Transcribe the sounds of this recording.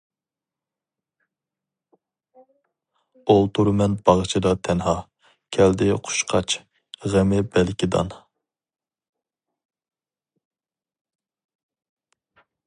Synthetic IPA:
olˠt̪ʰuɾmɛnbɑʁt͡ʃʰid̪ɑt̪ʰɛnɦɑ | kʲʰɛld̪ɪqʰʊ̥ʃqʰɑt͡ʃ | ʁæmɪbɛlkʲid̪ɑ̰n

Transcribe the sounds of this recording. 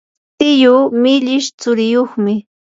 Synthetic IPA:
t̪ɪjʊmɪʎɪʃt͡sʊɾɪjoχmɪ

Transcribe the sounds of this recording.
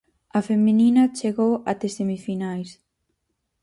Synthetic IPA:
ɐfemininɐt͡ʃeɣowa̰t̪esemifinajs

